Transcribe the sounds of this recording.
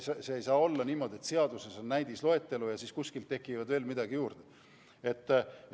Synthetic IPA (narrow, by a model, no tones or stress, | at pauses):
seejsɑːo̞lːɑniːmo̞ːd̪ie̞t̪se̞ɑd̪̥use̞so̞nːæjd̪islo̞e̞t̪ˑːe̞lujɑsiːskuskilt̪ːe̞kːˑivɑd̪ve̞ːlmid̪̥ɑɡ̥ijuːrd̪̥e | e̞t̪ː